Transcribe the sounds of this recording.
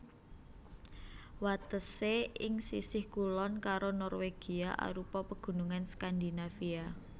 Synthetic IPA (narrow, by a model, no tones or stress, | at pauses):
wat̪əseɪŋsisɪhkulɔnkaɾonɔrweɡ̥iaʔa̰ɾupɔpəɡ̥ṳnuŋanskand̪inafia